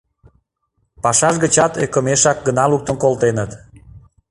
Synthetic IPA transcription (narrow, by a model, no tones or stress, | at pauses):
pɑʃɑʒɣət͡ɕɑt̪ekə̆meʃɑk̚ɡənɑluk̚t̪ə̆nkolt̪enət̪